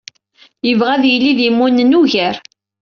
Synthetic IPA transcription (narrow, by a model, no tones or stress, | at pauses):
jəvʁæðjəlːiðjəmːunːnuʝəɾ